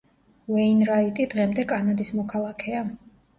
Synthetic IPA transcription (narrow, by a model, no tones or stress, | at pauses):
vɛinɾait̪ʼid̪ʁɛmd̪ɛkʼanad̪ismɔkʰalˠakʰɛa